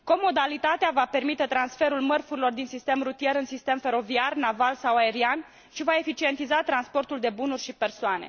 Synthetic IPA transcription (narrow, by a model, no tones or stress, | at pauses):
ko̞mo̞d̪alit̪at̪eavape̞rmit̪e̞t̪ɾansfe̞ɾulmərfuɾilo̞rd̪insist̪e̞mrut̪ije̞ɾɨnsist̪e̞mfe̞ɾo̞viarnavalsawae̞ɾian | ʃivae̞fit͡ʃie̞nt̪izat̪ɾanspo̞rt̪uld̪e̞bunurʲʃipe̞rsoane̞̰